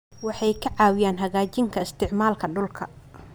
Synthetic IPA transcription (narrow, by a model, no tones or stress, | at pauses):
wɑħɑjkʰɐʕɑːwɪjaːnɦɐɣaːt͡ʃɪŋkʰɐɪst̪ʰɪʕmaːlkʰɐɖʊlkʰɐ